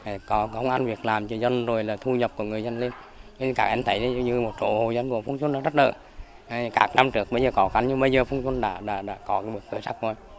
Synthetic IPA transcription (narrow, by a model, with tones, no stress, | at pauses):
kɔ˨˦˧ə˧wŋ͡mʔa˧nvi˨˩ək̚laː˨˩mt͡ɕɔ˧zə˧nzo˨˩jlaː˨˩t̪ʰu˧ɲə˨˩p̚ku˧˩əŋɨ˨˩əjzə˧nli˧n˧ | kaː˦˥k̚ʔɛ˧mt̪ʰə˨˦jɗə˨˦˧ɲɨ˧mo˨˩t̚zo̰˧˨ho˨˩jzə˧nku˧˩əfu˧ŋsu˧nɗaː˧˦zə˦˥t̚ɗə̰ː˧˨ | kaː˦˥k̚na˧mt͡ɕɨ˨˧˩ək̚ɓə˧jzəː˨˩kɔ˨˦ka˨˦ŋɲɨ˧ɓə˧jzəː˨˩fu˧ŋswnɗa̰ː˧˥ɗa̰ː˧˥ɗa̰ː˧˥kɔ˨˦ka˨˦jɓi˨˩ək̚kɨ˨˦sa˦˥k̚zo˨˩j